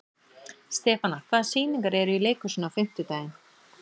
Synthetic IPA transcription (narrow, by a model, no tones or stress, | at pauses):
st̪ɛːfanakʰvaːðsiːnĩŋkaɾɛɾʏileːjkʏsʏnawfɪm̥t̪ʏt̪aːjɪn